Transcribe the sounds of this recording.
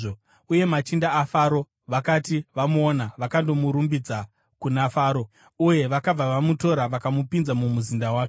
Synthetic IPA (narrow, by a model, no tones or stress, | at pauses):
o | uje̞mat͡ʃindaːfaɾo̞ | ʋakatiʋamuonaʋakando̞muɾumbid͡za | kunafaːɾo̞ | uje̞ʋakab͡vaʋamuto̞ɾaʋakamupinzamumuzindawaːke